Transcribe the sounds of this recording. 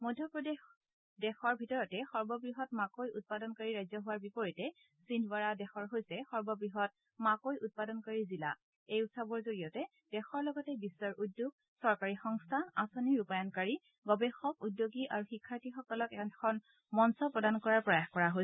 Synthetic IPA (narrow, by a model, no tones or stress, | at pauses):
mojdʱjɔpɹɔdex | dɛxɔɹbʱitɔɹɔtɛxɔɹbɔbɹiɦɔt̚makojut̚padɔnkaɹiɹajzɔɦʊwaɹbipɔɹitɛ | sindʰʱbaɹadɛxɔɹɦojsɛxɔɹbɔbɹiɦɔt̚ | makojut̚padɔnkaɹizila̰ | ejutsabɔɹzoɹijɔtɛ | d̥ɛxɔɹlɔɡɔtɛbisːɔɹʔudːjoɡ̚ | sɔɹkaɹixɔŋstʰanasoniɹupajɔnkaɹi | ɡɔbɛxɔkudjoɡiʔaɹuxikʰːaɹtixɔkɔlɔkɛkʰɔn | mɔnsɔpɹɔdankɔɹaɹpɔjaxkɔɹaɦoj